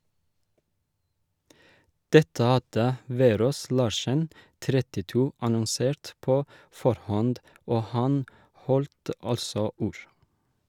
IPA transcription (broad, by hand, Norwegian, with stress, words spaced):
ˈdɛtə ˈɑdə ˈʋeːˌɾoːs ˈlɑːʃən ˈtɾɛtɪˌtuː ɑnɔnˈseːɾt ˈpoː ˈfɔɾˌhɔnd ˈoː ˈhɑn ˈhɔlt ˈɑlsɔ ˈuːɹ